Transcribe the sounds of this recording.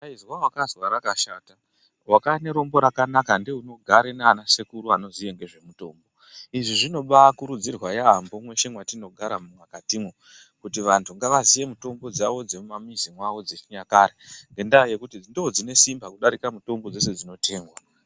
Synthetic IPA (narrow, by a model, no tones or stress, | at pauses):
aizwawakazwaɾakaʃaːta | wakaine̞ɾo̞mbo̞ɾakanakandeuno̞ɡʱaɾeneanasekuɾuano̞zije̞ŋɡe̞ʐe̞muto̞ːmbo̞ | iʐiʐino̞ɓakuɾud͡zirwajaːmbo̞mwe̞ʃe̞mwatino̞ɡʱaɾamumwakatimwo | kutiʋantʰuŋɡaʋazije̞muto̞mbo̞d͡zaʋo̞d͡zemumamizimwaʋo̞d͡zeɲakaɾeŋɡe̞ndaje̞kutindood͡zine̞simbakuɗaɾikamuto̞mbo̞d͡ze̞se̞d͡zino̞tʰe̞ːŋɡwa